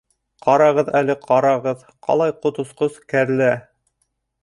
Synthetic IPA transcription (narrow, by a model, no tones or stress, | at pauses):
qɑɾɑʁɤðælɘqʰɑɾɑʁɤð | qɑ̰lˠɑjqŏt̪ŏsqozkæɾlæ